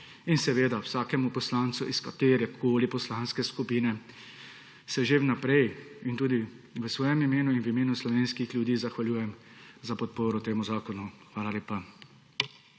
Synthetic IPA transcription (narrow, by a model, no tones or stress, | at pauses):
insɛʋeːd̪awsaːkɛmupɔslaːnt̪suʔiskat̪eːɾjɛkʰoːlipɔslaːnskɛskupiːnɛ | sɛʒewnapɾɛj | int̪uːd̪i | ʋəsʋɔːjɛmimeːnuinwimeːnuslɔʋeːnskixlʲjud̪iːzaxʋaljuːjɛmzapɔt̪̚poːɾɔt̪eːmuzaːkɔnuxʋaːlaleːpa